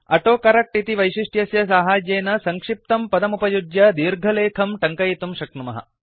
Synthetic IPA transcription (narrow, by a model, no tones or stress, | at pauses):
ɐʈoːkɐɾɐk̚ʈit̪iʋɐjʃiʂʈjɐsjɐs̬aːɦaːd͡ʒeːnɐsɐŋkʂip̚t̪ɐmpɐd̪ɐmupɐjud͡ʒ̪jɐd̪iːɾɡʱɐleːkʰɐmʈɐŋkɐjit̪umʃɐk̚numɐ̰ɦɐ̰